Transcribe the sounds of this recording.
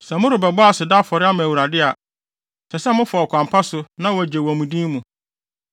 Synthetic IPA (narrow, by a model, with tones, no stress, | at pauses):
sɛ˨mʊ̃˦ɾʊ˨bɛ˨bɔ˦a˨sɪ˨da˦fɔ˨ɾɪ˦a˦mã˨wu˨ɾa˨dɪ˦a˨ | sʰɛ˨sɛ˦mʊ̃˦fɔ˨ɔ˨kʷʰã˨mpʰa˦sʊ˨nã˦wɔ˦æ˨d͡ʑe˨wɔ˨mũ˨dĩː˦mũ˨